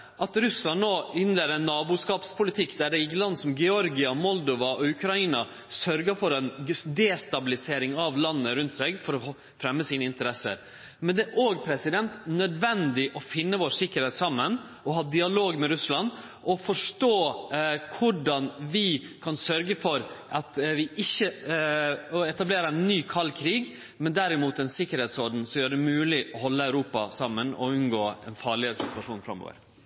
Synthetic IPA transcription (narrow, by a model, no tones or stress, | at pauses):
ʔɑt̪ɾʉslɑnnoːɪnleːd̪ɾɛnːɑːbuʂkɑːpspʰʊlɪt̪ʰɪkːd̪æɖɛɪɡlɑnːsɔmɡɛɔɾɡɪɑmɔld̪ɔʋɑʔɔʉkʰɾɑiːnɑ | sœɾɡəfɔɾɛnd̪ɛst̪ɑbɪlɪseːɾɪŋɑʋlɑnːəɾʉnt̪seːɡfɔɾɔ | fɾɛmːəsiːnəɪnt̪əɾɛsːə̰ɾ | mɛnd̪ɛʔoːɡpʰɾɛsɪd̪ɛnt̪nœd̪ʋɛnd̪ɪʔɔfɪnːəʋoːʂɪkːəɾhɛːt̪sɑmːən | ɔɦɑːd̪ɪɑloːɡmɛɾʉslɑn | ʔɔfɔʂʈoːkʰʊɖɑnʋɪ | kʰɑnsœɾɡəfɔɾʔɑt̪ʋɪʔɪçːə | ɔɛt̪ɑbleːɾəɛnːyːkʰɑlːkʰɾiːɡ | mɛnd̪æɾɪmuːt̪ɛnsɪkːəɾheːt̪sɔɾɖn̩sɔmjøːɾɖɛmʉːlɪʔɔhɔlːəæʉɾuːpɑ̰sɑmːənɔ̰ʉnɡoːɛnfɑːɭɪəɾsɪt̪ʰʉɑʂuːnfɾɑ̰mo̰ːʋə̰ɾ